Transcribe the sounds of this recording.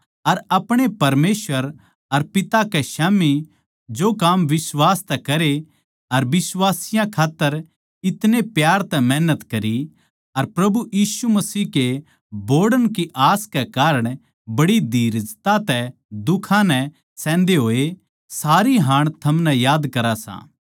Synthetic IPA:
ɐɾɐpɽ̃epɐɾmeːsʋəɾ | ɐɾpɪt̪akeʃaːmi | d͡ʒokaːmʋɪswaːst̪ɛkɐɾe | ɐɾʋɪswaːsɪjãkʰaːt̪ːəɾ | ɪt̪nepjaːɾt̪ɛmɛɦnət̪kɐɾi | ɐɾpɾɐbujiːsumɐsiːke | boːɽənkiʔaːskekaːɾəɽ̃ | bɐɽid̪ʱiːɾd͡ʒt̪at̪ɛd̪ʊkʰãnɛ | sɛ̃ːnd̪eɦoːe | saːɾiɦãːɽ̃t̪ʰɐmnɛ̃jaːd̪kɐɾasã̰ː

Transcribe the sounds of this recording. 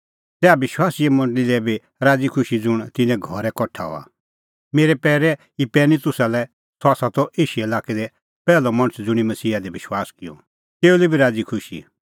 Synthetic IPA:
t̪ɛːabɪʃwaːsiɛmɐ̃ɳɖlilɛbʱi | ɾaːd͡zikʰʊʃid͡zʊɽ̃t̪ɪ̃nɛ̃ɡʱɔɾɛkɔʈʰːa̰ɔ̰a̰ | meːɾɛpɛːɾɛ | ipɛːnit̪ʊsalɛ | sʰɔaːsat̪ɔʔeːʃuɛlaːked̪ɛ | pɛːlɔmɐ̃ɽ̃t͡sd͡zʊɽ̃imɐsiːad̪ebɪʃwaːskɪjɔ̰ | t̪eːulibʱiɾaːd͡zikʰʊʃḭ

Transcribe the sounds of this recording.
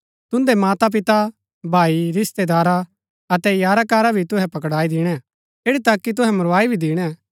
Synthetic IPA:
t̪ʊ̃nd̪emaːt̪ap̬ɪt̪a | bʱaːiɾɪst̪ed̪aːɾa | ɐt̪ɛjaːɾakaːɾabʱit̪ʊɦɛpɐk̬ɽaːid̪ɪɽ̃ɛ | eːɽit̪akːit̪ʊɦɛmʊɾaːibʱid̪ɪːɽ̃ɛ

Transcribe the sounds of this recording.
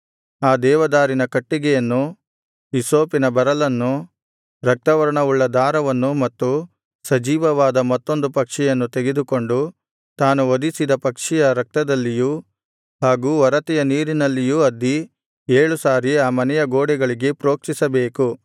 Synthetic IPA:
aːd̪ɛːʋɐd̪aːɾinɐkɐʈːiɡɛjɐnːu | isoːpinɐbɐɾɐlɐnːu | ɾɐk̚t̪ɐʋɐɾɐɳɐuɭːɐd̪aːɾɐʋɐnːumɐt̪ːu | sɐd͡ʒiːʋɐʋaːd̪ɐmɐt̪ːo̞nd̪upɐkʂɛjɐnːut̪eɡed̪uko̞ɳɖu | t̪aːnuʋod̪isid̪ɐpɐkʂɛjɐɾɐk̚t̪ɐd̪ɐlːijuː | haːɡuːʋɐɾɐt̪ɛjɐniːɾinɐlːijuɐd̪ːi | eːɭusaːɾiaːmɐnɛjɐɡoːɽɛɡɐɭiɡe̞pɾo̞ːkt͡ʃisɐbeːku

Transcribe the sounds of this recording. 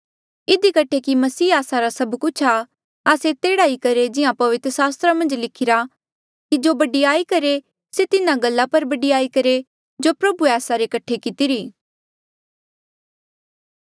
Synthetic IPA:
ɪd̪ikɐʈʰekimɐsiːaːsaɾasɐbkʊt͡ʃʰa | aːset̪eːɽaːikɐɾed͡ʒɪãpɐʋɪt̪ɾəsaːst̪ɾamɐ̃nd͡ʒlɪkʰɪɾa | kid͡ʒoːbɐɖiaːikɐɾe | set̪ɪnãɡɐlːapɐɾbɐɖiaːikɐɾe | d͡ʒoːpɾɐbueaːsaɾekɐʈʰekɪt̪iɾiː

